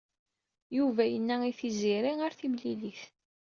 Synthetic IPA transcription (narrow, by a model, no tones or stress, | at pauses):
juvæjənːæiθiziɾiəɾθimliliθ